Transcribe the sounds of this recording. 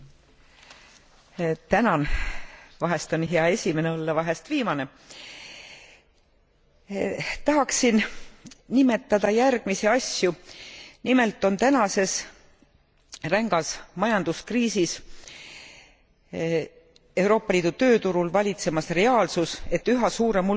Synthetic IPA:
t̪ænɑn | vɑɦe̞st̪o̞nɦeɑe̞sʲime̞neo̞lːɑvɑɦe̞st̪viːmɑne̞ | t̪ɑɦɑksin | nime̞t̪ːɑd̪̥ɑjærɡ̥miseɑsʲjunime̞lt̪ːˑo̞nt̪ænɑse̞s | ræŋɡ̥ɑsmɑjɑnd̪uskriːsis | e̞wɾo̞ːpːˑɑliːd̪ut̪ø̞ːt̪uɾulvɑlʲit̪se̞mɑsre̞ɑːlsuse̞t̪ːyɦɑsuːɾe̞mu

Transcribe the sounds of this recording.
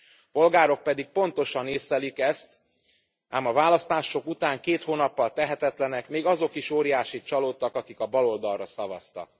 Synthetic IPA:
po̞lɡaːɾo̞k̚pɛd̪ik̚po̞nt̪o̞ʃɒneːsɛlikɛst̪ | ʔaːmɒvaːlɒst̪aːʃo̞kut̪aːŋkeːt̪hoːnɒpːɒlt̪ɛɦɛt̪ɛt̪lɛnɛkmeːɡɒzo̞kiʃoːɾijaːʃit͡ʃɒloːt̪ːɒkɒkikɒbɒlo̞ld̪ɒlrɒsɒvɒ̰st̪ɒ̰k̚

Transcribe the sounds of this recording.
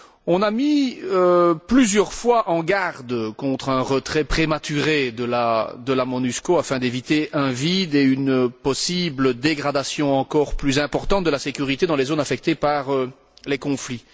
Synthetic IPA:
ɔ̃namiøplyzjœʁfwaʔɑ̃ɡaʁd̪kɔ̃t̪χɛ̃ʁət̪χɛpχemat̪yʁed̪əlad̪əlamɔnyskoafɛ̃d̪evit̪eʔɛ̃vid̪eynəpɔsibləd̪eɡʁad̪asjɔ̃ɑ̃kɔːʁplyzɛ̃pɔʁt̪ɑ̃t̪̚d̪əlasekʲyʁit̪ed̪ɑ̃lezonafɛk̚t̪epaʁə | lekɔ̃fli

